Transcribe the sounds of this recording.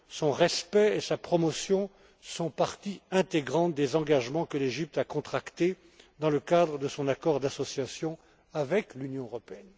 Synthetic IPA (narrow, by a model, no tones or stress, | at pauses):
sɔ̃ʁɛspɛesapχɔmɔsjɔ̃ | sɔ̃paʁt̪iɛ̃t̪eɡʁɑ̃t̪̚d̪ezɑ̃ɡaʒmɑ̃kəleʒip̚t̪akɔ̃t̪χakt̪e | d̪ɑ̃ləkad̪ʁəd̪əsɔ̃nakɔʁd̪asɔsjasjɔ̃ | avɛklynjɔ̃əʁɔpeɛn